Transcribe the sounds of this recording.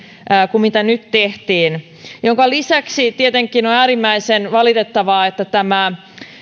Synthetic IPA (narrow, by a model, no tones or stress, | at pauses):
kumit̪ænyt̪teht̪iːn | joŋkɑlisæksit̪iet̪eŋkːˑinonæːɾimːæisenʋɑlit̪et̪ːɑʋɑːet̪ːæt̪æmæ